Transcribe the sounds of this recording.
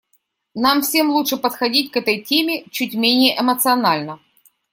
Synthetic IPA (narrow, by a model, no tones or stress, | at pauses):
namfsʲe̞mlˠuʂɨpət̪xɐdʲitʲkɛt̪əjtʲemʲɪt͡ɕʉtʲmʲenʲɪjəʔɛmət̪sɨɐnalʲnə